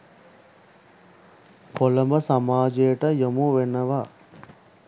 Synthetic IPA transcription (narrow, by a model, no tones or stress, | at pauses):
kolɐmbɐsɐmaːd͡ʒejɐʈɐjomuʋenːɐʋa